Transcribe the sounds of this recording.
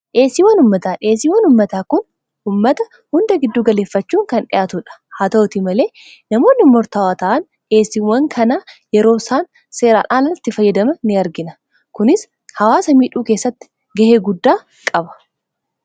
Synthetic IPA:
ʔe̞ːsiːwɐnʊmːɐt̪aːᶑɪːs̬iːwɐnʊmːɐt̪aːkʊn | ʊmːɐt̪ɐ | hʊnd̪ɐɡɪd̪ːuːɡɐle̞ːfːɐt͡ʃːuːŋkɐnᶑɪ̰jʔaːt̪ʊᶑɐ̥haːt̪ɐʔt̪imɐle̞ː | nɐmo̞ːnːɪmɔɾt̪ɐwaːt̪ɐʔɐn | ᶑe̞ːsiwɐŋkʰɐnaːjɛɾo̞ːsaːn | se̞ːɾa̰ːᶑaːnɐt̪ːɪfɐjːɐd̪ɐmɐnɪɐɾɡɪnɐ | kʊnɪs | hɐwaːsɐmiːᶑuːke̞ːsːɐt̪ːɪ̥ | ɡɐheːɡʊd̪ːaː | kʼɐbɐ̥

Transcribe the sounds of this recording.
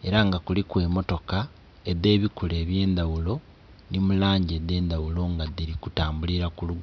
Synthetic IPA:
eɾaŋɡakulikwe̞ːmo̞to̞ka | eðe̞ːβikule̞ːβje̞ːnd̪awulo̞ | nimulaːɲɟede̞ːnd̪awulo̞ŋɡaðiɾikutaːmbuliɾakuluɡ

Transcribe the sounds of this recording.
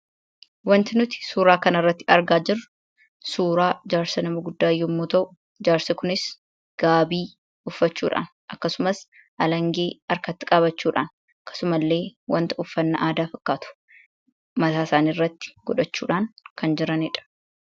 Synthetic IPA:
wɐnt̪ɪnʊt̪ɪ̥suːɾaːkɐnɐrːɐt̪ːɪɐ̰ɾɡaːd͡ʒɪrːʊ | suːɾaːd͡ʒaːɾsɐnɐmɐɡʊd̪ːaːjːɔmːoːt̪ɐʔʊ | d͡ʒaːɾsɐkʊnɪs | ɡ̥aːbiː | ʊfːɐt͡ʃːṵːᶑa̰ːn | ʔɐkːɐsʊmɐs | ʔɐlɐŋɡe̞ːɐɾkɐt̪ːɪ̥kʼaːbɐt͡ʃːuːᶑa̰ːn | ɐkːɐ̥sʊmɐlːe̞ːwɐnt̪ɐʊfːɐnːɐʔaːd̪aːfɐkːaːt̪ʊ̥ | mɐt̪aːsaːniːrːɐt̪ːɪ̥ɡ̥ɔᶑɐt͡ʃːṵːᶑaːnkɐnd͡ʒɪɾɐnɪᶑɐ̥

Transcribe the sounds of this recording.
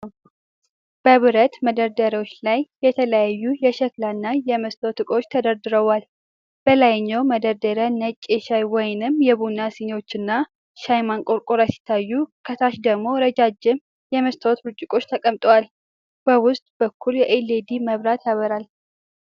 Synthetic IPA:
b̥əβɨɾət̪məd̪əɾd̪əɾiwot͡ʃːlajːɛt̪ʰələjajːujɛʃəklanːajɛməst̪ʰot̪ʰɨkʼo̞t͡ʃːt̪ʰəd̪əɾd̪ɨɾəwal | b̥əlajɲːawməd̪əɾd̪əɾənət͡ʃʼːeʃajwɔjɪnɨmjɛβunasino̞t͡ʃːɨnːa | ʃajmankʼo̞ɾkʼoɾasɪ̥t̪ʰːajːukʰət̪ʰaʃd̪əɡmo̞ɾəd͡ʒad͡ʒːɪm | jɛməst̪ʰot̪ɾɨt͡ʃʼːɪkʼo̞t͡ʃːt̪ʰəkʼəmt̪ʼəwal | b̥əwʊst̪ʼbəkʰːuljɛʔeled̪iməβɾat̪ʰjaβəɾal

